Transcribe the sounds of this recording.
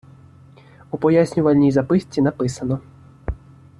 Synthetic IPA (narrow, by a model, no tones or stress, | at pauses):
upɔjasʲnʲuvɐlʲnʲijzapɨsʲt͡sʲːinapɨsɐnɔ